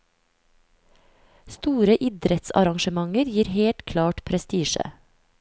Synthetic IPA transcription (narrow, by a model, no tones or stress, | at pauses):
st̪uːɾəʔɪd̪ɾɛt̪sɑ̰ɾɑŋʃəmɑŋəɾjiːɾheːlt̪kʰlɑːʈpʰɾɛst̪iːʃə̰